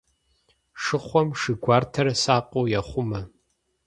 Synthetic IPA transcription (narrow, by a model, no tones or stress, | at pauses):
ʂɨχʷɔmʂɨɡʷɑːrtʰɐɾɐsaːqʼoːjɐχʷʊmɐ